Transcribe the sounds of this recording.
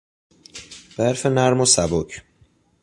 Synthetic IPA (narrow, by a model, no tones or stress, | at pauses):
b̥æɾfenæɾmosæbocʰ